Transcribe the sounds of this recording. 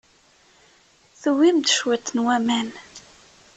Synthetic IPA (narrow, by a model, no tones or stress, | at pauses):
θəwimt̪ʃwæt̪ːənwæmæn